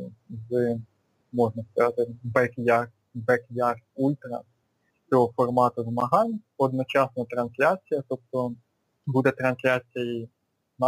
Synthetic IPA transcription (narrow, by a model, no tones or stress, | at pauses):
z | mɔʒnɐskɐzɑt̪ɪbɛkjɑr | bɛkjɑrulʲt̪ɾɐ̰ | t͡sʲɔɦɔfɔrmɑt̪ʊʋmɐɦɑnʲ | ɔd̪nɔt͡ʃɑsnɐt̪ɾɐnslʲat͡sʲijɐt̪ɔp̚t̪ɔ | bud̪ɛt̪ɾɐnslʲat͡sʲɐji | n